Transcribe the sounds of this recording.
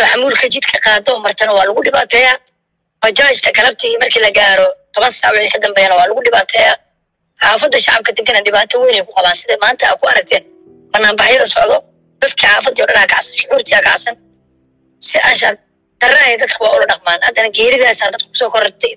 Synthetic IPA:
ɔħamuːlkʰɐt͡ʃɪd̪kʰɐqɑːd̪ɔːmɐrt̪ʰɐnɐwɑːlɐɣʊɖɪβaːt̪ʰɛːjaː | b̥ɐt͡ʃaːhɪt͡ʃk̪ʰɐɡɐlɐb̚t̪ʰɪmɐrkʰiːlɐɡaːɾɔt̪ʰɐβɐnssɑʕwʊɛkʰɐd̪ɐmbɛːjaːnɐwɑːlʊɣʊɖɪβaːt̪ʰɛːjaː | ħaːfɐd̪ːɐʃɑʕɑb̚kʰɐd̪ɪmkʰɐnɐɖɪβaːt̪ʰɐwiːnɛjkʰʊqɑβaːnsɪðɐmaːnt̪ʰɐ̰ːkʰʊɐɾɐk̚t̪ʰɛːn | bɐnːaːmbɑħjɐðɐsɔʕðɔ | d̪̥ɐd̪kʰɐħaːfɐd̪iɔːɖɐnakʰɑ̰ʕsɐnʃʊʕuːrt̪ʰiɐːkʰɑ̰ʕsɐn | sɪʔɐʃa | d̪̥ɐrajɛd̪ɐd̪kʰʊwɑːʊlɐɖɑqmaːnhɐd̪ɐnɐɡɛːɾɪðaːsaːd̪ɐd̪̚kʰʊkʰʊ̥sɔːkʰɔɾɔt̪ʰɛj

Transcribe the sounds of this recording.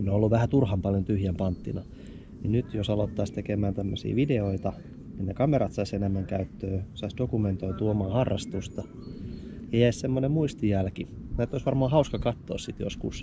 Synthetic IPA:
noolːuʋʋæhæt̪urhɑmpɑljont̪yhjæmpɑnt̪ːḭnɑ | ninyt̪josɑlot̪ːɑːst̪ekemæːnt̪æmːøsḭːʋideoit̪ɑ | ninekɑmeɾɑt̪sɑisenemːæŋkæyt̪ːøːsɑisd̥okument̪oit̪uːomɑːhɑrːɑst̪ust̪ɑ | jɑjæissemːonemmuist̪ijælki | næˑet̪ːoisʋɑrmɑːhɑuskɑkɑt̪ːo̰ːssit̪jo̰skus

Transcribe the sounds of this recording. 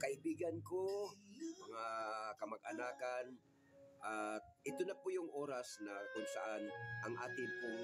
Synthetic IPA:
kɐʔɪbiːɡɐnkomɐŋakɐmɐɡ̚ʔɐnaːkan | ʔat̪̚ʔɪt̪onɐpʊjʊŋʔo̞ːɾasnakʊnsɐ̰ʔanʔɐŋʔaːt̪ɪŋpʊŋ

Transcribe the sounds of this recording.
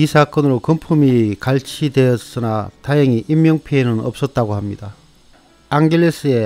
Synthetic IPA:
isʰak͈ʌnɯɾokʌmpʰumikaɭt͡ɕʰidwe̞jʌs͈ɯnataɦeŋiʔimːjʌŋpʰienɯnʌp̚s͈ʌt̚t͈aɡohamɲid̥a | aŋɡeɭːes͈ɯe̞

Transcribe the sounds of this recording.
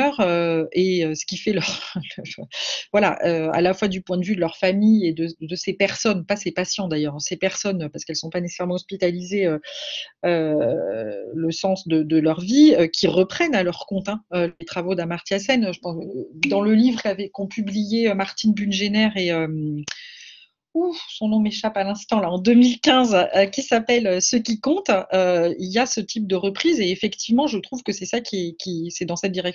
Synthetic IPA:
œʁøeøsə̥kʲifɛlœʁlfvwala̰ʔøa̰lafwad̪ypwɛ̃d̪əvyd̪əlœʁfamijed̪əd̪əsepɛʁsɔnpasepasjɑ̃d̪ajœʁɛ̃sepɛʁsɔnøpaʁsə̥kɛlsɔ̃panese̥sɛʁmɑ̃ɔspit̪alizeø | ø | ləsɑ̃sd̪əd̪əlœʁviøkʲʰiʁəpχɛnalœʁkɔ̃t̪ɛ̃ølet̪χavod̪amaʁt̪jasɛnʒəpɑ̃d̪ɑ̃ləlivʁkavɛkɔ̃pʰyblijeømaʁt̪inbynʒenɛʁeøm | usɔ̃nɔ̃meʃapalɛ̃st̪ɑ̃laɑ̃d̪ømilkʲɛ̃zøkʲisapɛløsəkʲikɔ̃t̪øiljasət̪ʰip̚d̪əʁəpχizeːfɛkt̪ʰivmɑ̃ʒət̪χuvkəsɛsakʲiɛkʲisɛd̪ɑ̃sɛt̪̚d̪iʁɛk

